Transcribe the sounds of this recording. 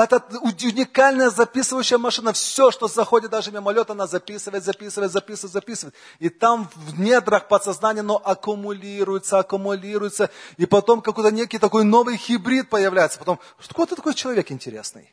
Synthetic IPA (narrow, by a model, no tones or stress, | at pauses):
ɛt̪əʊʊnʲɪkalʲnəjəzɐpʲisɨvəjʉɕːɪjəmɐʂɨnəfsʲoʂt̪ozɐxo̞dʲɪt̪d̪aʐɨmʲɪmɐlʲo̞t̪ɐnazɐpʲisɨvəjɪt̪zɐpʲisɨvəjt̪zɐpʲisɨʋəɪt̪zɐpʲisɨvəjɪt̪ | it̪amvvnʲed̪ɾəxpət̪sɐznanʲɪjɐnoʔɐkʊmʊlʲiɾʊjɪt̪səɐkʊmʊlʲiɾʊjɪt̪səipɐt̪o̞mkɐkojt̪ənʲekʲɪjt̪ɐko̞jno̞vɨjxʲɪbɾʲit̪̚pəjɪvlʲæjɪt̪səpɐt̪o̞m | ʂt̪kot̪ɨt̪ɐkojt͡ɕɪlˠɐvʲe̞kɪnʲtʲɪɾʲḛsnɨ̰j